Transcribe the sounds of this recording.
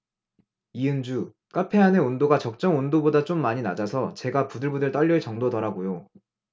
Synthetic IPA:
iɯnd͡ʑu | k͈apʰe̞ɦanɯnondoɡat͡ɕʌk̚t͡ɕ͈ʌŋondobodat͡ɕ͈omːaɲinad͡ʑasʰʌt͡ɕe̞ɡapudɯɭbudɯɭt͈ʌʎːʌet͡ɕʌŋdodʌɾaɡojo

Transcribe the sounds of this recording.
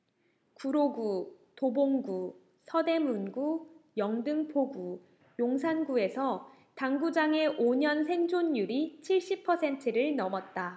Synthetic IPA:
kuɾoɡu | toboŋɡu | sʰʌde̞munɡujʌŋdɯŋpʰoɡu | joŋsʰanɡue̞sʰʌ | taŋɡud͡ʑaŋe̞ʔoɲʌnsʰe̞ŋd͡ʑonjuɾit͡ɕʰiɭɕ͈ipʰʌsʰe̞ntʰɯɾɯɭnʌmʌt̚t͈a

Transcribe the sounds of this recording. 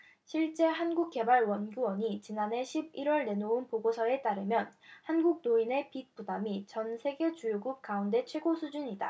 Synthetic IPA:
ɕʰiɭt͡ɕ͈e̞ɦanɡuk̚k͈e̞baɭwʌnɡuwʌɲit͡ɕinane̞ɕʰibiɾwʌɭne̞nounpoɡosʰʌe̞t͈aɾɯmjʌnhanɡuk̚noine̞pik̚p͈udamit͡ɕʌnsʰe̞ɡe̞t͡ɕujuɡup̚k͈aunde̞t͡ɕʰwe̞ɡosʰud͡ʑuɲida̰

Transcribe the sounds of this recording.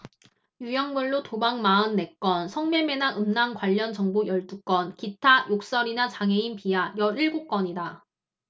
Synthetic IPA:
jujʌŋmuɭːotobaŋmaɯnːe̞k͈wʌnsʰʌŋme̞me̞naɯmnaŋkwaʎːʌnt͡ɕʌŋbojʌɭt͈uk͈ʌnkitʰajok̚s͈ʌɾinat͡ɕaŋɦe̞inpiajʌɾiɭɡok͈ʌɲida

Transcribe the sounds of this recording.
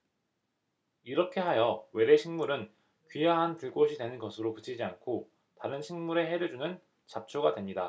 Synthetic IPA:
iɾʌkʰe̞ɦajʌwe̞deɕʰiŋmuɾɯn | kɥijaɦanpuɭk͈oɕʰidwe̞nɯnɡʌsʰɯɾopɯt͡ɕʰid͡ʑiankʰo | taɾɯnɕʰiŋmuɾe̞ɦe̞ɾed͡ʑunɯn | t͡ɕap̚t͡ɕʰoɡadwe̞mɲida

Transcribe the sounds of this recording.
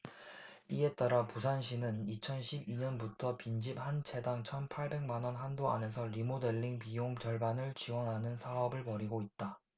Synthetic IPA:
ie̞t͈aɾapusʰanɕ̬ʰinɯnit͡ɕʰʌnɕʰibiɲʌnbutʰʌpind͡ʑip̚hant͡ɕʰe̞daŋt͡ɕʰʌnpʰaɭbe̞ŋmanwʌnɦandoa̰ne̞sʰʌɾimode̞ɭːiŋpijoŋt͡ɕʌɭbanɯɭt͡ɕiwʌnɦanɯnsʰaʌbɯɭpʌɾiɡoit̚t͈a

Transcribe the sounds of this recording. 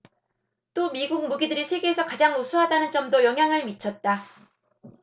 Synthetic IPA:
t͈omiɡuk̚muɡidɯɾisʰe̞ɡe̞ːsʰʌkad͡ʑaŋosʰuɦadanɯnd͡ʑʌmdojʌŋɦjaŋɯɭmit͡ɕʰʌt̚t͈a

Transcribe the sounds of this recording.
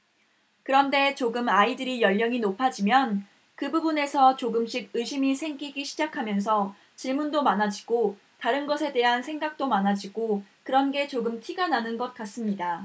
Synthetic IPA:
kɯɾʌnde̞t͡ɕoɡɯmaidɯɾijʌʎːʌŋinopʰad͡ʑimjʌn | kɯbubune̞sʰʌt͡ɕoɡɯmɕ͈ʰiɡ̚ɯɕʰimisʰe̞ŋɡiɡiɕʰid͡ʑakʰamjʌns̬ʰʌ | t͡ɕiɭmundomanad͡ʑiɡ̥o | taɾɯnɡʌsʰe̞de̞ɦansʰe̞ŋɡak̚t͈omanad͡ʑiɡ̥okɯɾʌnɡe̞t͡ɕoɡɯmtʰiɡananɯnɡʌt̚k͈as͈ɯmɲida

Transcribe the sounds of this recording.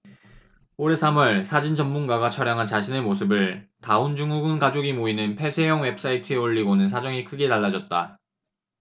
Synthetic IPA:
oɾe̞sʰamʌɭsʰad͡ʑind͡ʑʌmmunɡaɡat͡ɕʰʌɾjaŋɦant͡ɕaɕʰine̞mosʰɯbɯɭtaond͡ʑuŋuɡɯnɡad͡ʑoɡimoinɯnpʰe̞sʰe̞jʌŋwe̞p̚s͈aitʰɯeoʎːiɡonɯnsʰad͡ʑʌŋikʰɯɡe̞taɭːad͡ʑʌt̚t͈a

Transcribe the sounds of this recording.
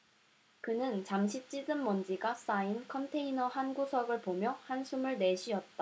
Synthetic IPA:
kɯnɯnt͡ɕamɕʰit͡ɕ͈idɯnmʌnd͡ʑiɡas͈ainkʰʌntʰeinʌhanɡusʰʌɡɯɭpomjʌhansʰumɯɭne̞ɕʰiʌt̚t͈a

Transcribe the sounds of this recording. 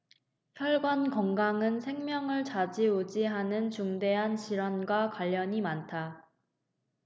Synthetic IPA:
çjʌɭɡwʌnkʌŋɡaŋɯnsʰe̞ŋmjʌŋɯɭt͡ɕad͡ʑiod͡ʑiɦanɯnt͡ɕuŋde̞ɦanɕiɾwanɡwakwaʎːʌɲimantʰa

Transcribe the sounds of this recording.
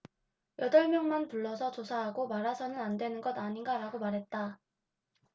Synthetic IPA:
jʌdʌɭmjʌŋmanpuɭːʌsʰʌt͡ɕosʰaɦaɡomaɾasʰʌnɯnandwe̞nɯnɡʌdaɲinɡaɾaɡomaɾɦe̞t̚t͈a

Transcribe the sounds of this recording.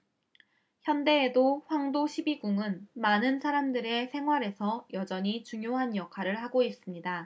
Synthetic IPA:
çjʌnde̞ːdoɸwaŋdoɕʰibiɡuŋɯnmanɯnsʰaɾamdɯɾe̞sʰe̞ŋɦwaɾe̞sʰʌjʌd͡ʑʌɲit͡ɕuŋjoɦanjʌkʰaɾɯɭɦaɡois͈ɯmɲida

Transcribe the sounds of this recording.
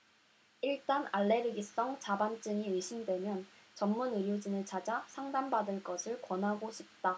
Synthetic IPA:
iɭt͈anaɭːe̞ɾɯɡis͈ʌŋt͡ɕabant͡ɕ͈ɯɲiɯɕʰimdwe̞mjʌnt͡ɕʌmːunɯɾjod͡ʑinɯɭt͡ɕad͡ʑasʰaŋdanbadɯɭk͈ʌsʰɯɭkwʌnɦaɡoɕʰip̚t͈a

